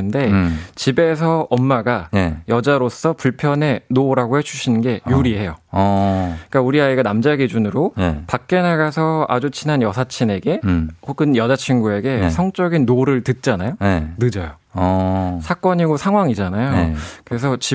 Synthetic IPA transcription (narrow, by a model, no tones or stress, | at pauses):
ɯnde̞t͡ɕibe̞s̬ʰʌʌmːaɡajʌd͡ʑaɾos͈ʌpuɭpʰjʌne̞noɾaɡohed͡ʑuɕʰinɯnɡe̞juɾiɦe̞jo | ik͈auɾiaiɡanamd͡ʑaɡid͡ʑunɯɾopak̚k͈e̞naɡasʰʌad͡ʑut͡ɕʰinanjʌsʰat͡ɕʰine̞ɡe̞hoɡɯnjʌd͡ʑat͡ɕʰiŋɡue̞ɡe̞sʰʌŋt͡ɕ͈ʌɡinːoɾɯɭtɯt̚t͡ɕ͈anajoenɯd͡ʑʌjo | sʰak͈ʌɲiɡosʰaŋɦwaŋid͡ʑanajokɯɾe̞s̬ʰʌt͡ɕi